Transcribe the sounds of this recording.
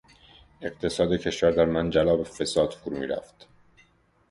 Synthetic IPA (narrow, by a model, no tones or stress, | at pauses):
e̞ɢt̪ʰe̞sɒːd̪ecʰe̞ʃvæɾd̪æɾmænd͡ʒælɒːbefe̞sɒːd̪̥fuɾumḭːɾæ̰ft̪